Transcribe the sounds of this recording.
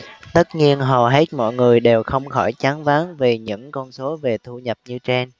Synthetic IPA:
t̪ə˦˥t̚ɲi˧ənɦə˨˩ɦe˦˥t̚mɔ̰˧˨jŋɨ˨˩əjɗe˨˩wxə˧wŋ͡mxɔ˧˩jt͡ɕaː˨˦nvaː˨˦nve˨˩ɲɨ̰˧˥ŋkɔ˧nso˨˦ve˨˩t̪ʰu˧ɲə˨˩p̚ɲɨ˧t͡ɕe˧n

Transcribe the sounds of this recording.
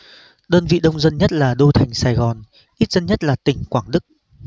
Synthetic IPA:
ɗəː˧nvḭ˧˨ɗə˧wŋ͡mzə˧nɲə˦˥t̚laː˨˩ɗo˧t̪ʰa˨˩jŋ̟saː˧˩jɣɔ˨˩n | ʔi˦˥t̚z̥ə˧nɲə˦˥t̚laː˨˩t̪ï˨˩ŋ̟kwaː˧˩ŋɗɨ˦˥k̚

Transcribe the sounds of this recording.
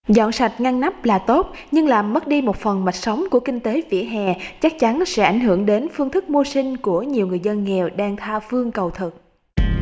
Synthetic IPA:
zɔ̰˧˨nsa˨˩jt̚ŋa˧ŋna˦˥p̚laː˨˩t̪o˦˥t̚ɲɨ˧ŋlaː˨˩mːə˦˥t̚ɗi˧mo˨˩t̚fə˨˩nma˨˩jt̟̚sə˨˦wŋ͡mku˧˩əkï˧ŋ̟t̪e˨˦vḭ˧˥əɦɛ̰˨˩t͡ɕa˦˥k̚t͡ɕa˨˦nsɛ̰˧˥ʔa˧˩jŋɦɨ˧˩əŋɗe˨˦nfɨ˧əŋt̪ʰɨ˦˥k̚mo˧sï˧ŋ̟ku˧˩əɲi˨˩əwŋɨ˨˩əjzə˧nŋɛ˨˩wɗaː˧ŋt̪ʰaː˧fɨ˧əŋkə˨˩wt̪ʰɨ˨˩k̚

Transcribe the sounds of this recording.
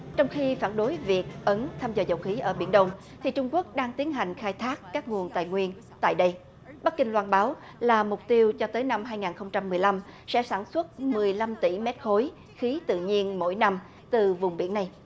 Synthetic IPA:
t͡ɕɔ˧wŋ͡mxi˧faː˧˩nɗo˨˦jvi˨˩ək̚ʔə˨˦nt̪ʰaː˧mzəː˨˩zə˨˩wxi˨˦ʔəː˧˩ɓḭ˧˩ənɗə˧wŋ͡m | t̪ʰi˨˩t͡ɕʊ˧ŋ͡mku˦˥ək̚ɗaː˧ŋt̪i˨˦ənɦa˨˩jŋ̟xaː˧jt̪ʰaː˦˥kːaː˦˥k̚ŋu˨˩ənt̪a̰ː˧˨jŋwi˧ən | t̪a̰ː˧˨jɗə˧j | ɓa˦˥t̚kï˧ŋlwaː˧nɓaː˨˦w | laː˨˩mʊ˨˩k͡p̚t̪i˧əwt͡ɕɔ˧t̪əː˨˦jna˧mɦaː˧jŋaː˨˩nxə˧wŋ͡mt͡ɕa˧mːɨ˨˩əjla˧msɛ̰˧˥saː˧˩nswə˦˥t̚mɨ˨˩əjla˧mt̪ḭ˧˩mɛ˦˥t̚xo˨˦j | xi˨˦t̪ɨ̰˧˨ɲi˧ənmo̰˧˥jna˧m | t̪ɨ˨˩vʊ˨˩ŋ͡mɓḭ˧˩ənːa˨˩j

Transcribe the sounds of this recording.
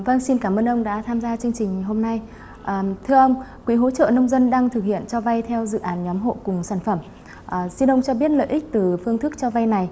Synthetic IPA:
və˧nsi˧nkaː˧˩mʔəː˧nʔə˧wŋ͡mɗa̰ː˧˥t̪ʰaː˧mzaː˧t͡ɕɨ˧əŋt͡ɕï˨˩ŋ̟˨˩ɦo˧mna˧j | ʔəː˨˩t̪ʰɨ˧əʔə˧wŋ͡mkwi˨˦ɦo̰˧˥˦t͡ɕə̰ː˧˨nə˧wŋ͡mzə˧nɗaː˧ŋt̪ʰɨ˨˩k̚hḭ˧˨ənt͡ɕɔ˧va˧jt̪ʰɛ˧wzɨ̰˧˨ʔaː˨˦nɲɔ˨˦mɦo̰˧˨kʊ˨˩ŋ͡msaː˧˩nfə˧˩m | ʔsi˧nʔə˧wŋ͡mt͡ɕɔ˧ɓi˦˥ət̚lə̰ː˧˨ʔï˦˥k̟̚t̪ɨ˨˩fɨ˧əŋt̪ʰɨ˦˥k̚t͡ɕɔ˧va˧jna˨˩j

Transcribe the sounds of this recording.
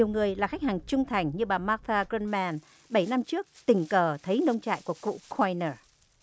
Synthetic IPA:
ɲ˨˩əwŋɨ˨˩əjlaː˨˩xa˦˥jk̚haː˨˩ŋt͡ɕʊ˧ŋ͡mt̪ʰa˨˩jŋ̟ɲɨ˧ɓaː˨˩maː˦˥t̪aː˧ɣi˧nmɛ˧n | ɓə˧˩jna˧mt͡ɕɨ˦˥ək̚t̪ï˨˩ŋ̟kəː˨˩t̪ʰə˨˦jnə˧wŋ͡mt͡ɕa̰ː˧˨jku˧˩əkṵ˧˨kʰwa˧jnəː˧˩

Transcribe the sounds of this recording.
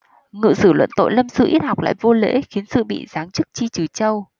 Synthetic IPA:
ŋɨ̰˧˨sɨ˧˩lwə̰˧˨nt̪o̰˧˨jlə˧msɨ̰˧ʔi˦˥t̚ha˨˩wk͡p̚la̰ː˧˨jvo˧lḛ˧˥xi˨˦ənsɨ̰˧˨ɓḭ˧˨zaː˨˦ŋt͡ɕɨ˦˥k̚t͡ɕi˧t͡ɕɨ˨˩t͡ɕə˧w

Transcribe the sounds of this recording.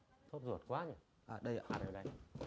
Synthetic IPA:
t̪ʰo˦˥p̚zu˨˩ət̚kwaː˨˦ɲa˧˩ | ʔaː˨˩ɗə˧ja˨˩ɗə˨˧˩ɗə˧j

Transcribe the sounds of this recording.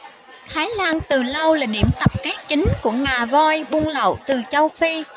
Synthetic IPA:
t̪ʰaː˨˦jlaː˧nt̪ɨ˨˩lə˧wlaː˨˩ɗi˧˩əmt̪ə˨˩p̚kɛː˦˥k̚t͡ɕï˨˦ŋ̟ku˧˩əŋaː˨˩vɔ˧jɓu˧nlə̰˧˨wt̪ɨ˨˩t͡ɕə˧wfi˧

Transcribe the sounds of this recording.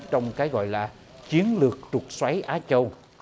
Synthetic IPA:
t͡ɕɔ˧wŋ͡mkaː˨˦jɣɔ̰˧˨jlaː˨˩ | t͡ɕi˨˦ənlɨ˨˩ək̚t͡ɕʊ˨˩t̚swa˨˦jʔaː˨˧˦t͡ɕə˧w

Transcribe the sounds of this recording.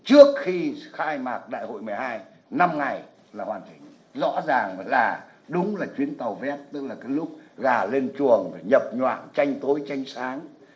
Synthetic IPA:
t͡ɕɨ˦˥ək̚xi˧xaː˧jmaː˨˩k̚ɗa̰ː˧˨jho̰˧˨jmɨ˨˩ə˩jhaː˧j | na˧mŋa˨˩j | laː˨˩hwaː˨˩nt͡ɕï˨˩ŋ̟ | zɔ̰˧˥zaː˨˩ŋlaː˨˩ | ɗʊ˨˦ŋ͡mlaː˨˩t͡ɕwi˨˦ənt̪a˨˩wvɛ˦˥p̚t̪ɨ˦˥k̚laː˨˩kaː˨˦jlʊ˦˥k͡p̚ɣaː˨˩le˧nt͡ɕu˨˩əŋɲə˨˩p̚ɲwa̰ː˧˨nt͡ɕa˧jŋ̟t̪o˨˦jt͡ɕa˧jŋ̟saː˨˦ŋ

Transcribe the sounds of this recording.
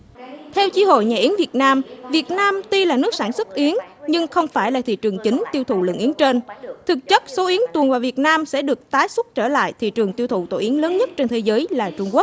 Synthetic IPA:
t̪ʰɛ˧wt͡ɕi˨˦ho̰˧˨jɲaː˨˩ʔi˨˦əŋvi˨˩ət̚naː˧mvi˨˩ət̚naː˧mt̪i˧laː˨˩nɨ˦˥k̚saː˧˩nswə˦˥t̚ʔi˨˦əŋɲɨ˧ŋxə˧wŋ͡mfaː˧˩jlaː˨˩t̪ʰḭ˧˨t͡ɕɨ˨˩əŋt͡ɕï˨˦ŋ̟t̪i˧wt̪ʰṵ˧˩lə̰˧˨ŋʔi˨˦əŋt͡ɕe˧nt̪ʰɨ˨˩k̚t͡ɕə˦˥t̚so˨˦ʔi˨˦əŋt̪wənvaː˨˩vi˨˩ət̚naː˧msɛ̰˧˥ɗɨ˨˩ək̚t̪aː˨˦jswə˦˥t̚t͡ɕəː˧˩la̰ː˧˨jt̪ʰḭ˧˨t͡ɕɨ˨˩əŋt̪i˧əwt̪ʰṵ˧˨t̪o̰˧˩ʔi˨˦əŋləː˨˦nɲə˦˥t̚t͡ɕe˧nt̪ʰe˨˦zəː˨˦jlaː˨˩t͡ɕʊ˧ŋ͡mku˦˥k̚

